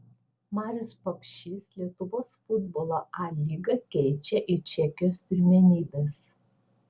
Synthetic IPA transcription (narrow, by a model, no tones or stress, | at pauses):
mɑːɾʲʊspɐpʲʃʲislʲiɛt̪ʊʋoːsfʊd̪boːlˠɐʔɑlʲiːɡɐkʲɛɪt͡ʃʲɛʔɪt͡ʃʲɛkʲɪjoːspʲɪɾʲmʲɛnʲiːbʲeːs